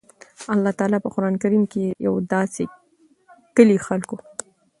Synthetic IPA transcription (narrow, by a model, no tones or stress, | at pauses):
alːɑt̪ɑɑːlɑpəqʊɾɑnkaɾimkeja̰wd̪ɑse | kəlixalko